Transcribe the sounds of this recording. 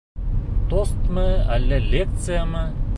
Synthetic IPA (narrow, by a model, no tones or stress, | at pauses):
t̪ost̪məælʲːelʲek̚t̪sɨjamə